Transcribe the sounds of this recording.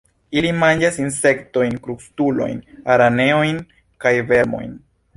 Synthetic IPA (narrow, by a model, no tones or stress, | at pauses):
ilimand͡ʒasinse̞kto̞jnkɾukstulo̞̰jnaɾane̞o̞jn | kajve̞ɾmo̞̰jn